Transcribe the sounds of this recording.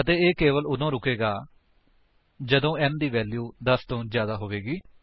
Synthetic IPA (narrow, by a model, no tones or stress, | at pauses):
ət̪eːeːkeːʋəlʊd̪õːɾʊkeːɡaː | d͡ʒəd̪õːɛnd̪iːʋɛːljuːd̪əst̪õːzjaːd̪aːɦoːʋeːɡiː